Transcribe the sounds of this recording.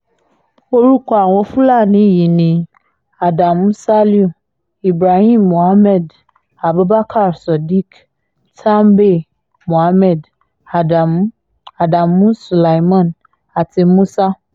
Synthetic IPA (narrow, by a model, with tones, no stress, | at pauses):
wo˦ɾu˦kɔ˦a˨wo˦fu˦la˦˨nĩ˦ji˨nĩ˨ | a˨da˨m˦sa˦li˦u˨ | i˨bɾa˨hi˦mːo˨a˦mɛ˨d | a˨bɛ˦ba˦kʰa˦˨ɾsɔ˨di˦k | tʰã˦mbe˦ | mo˨a˦mɛ˨d | a˨da˨m | a˨da˨mːũ˦su˨la˨i˨mã˦˨n | a˨te˨mũ˦sa˦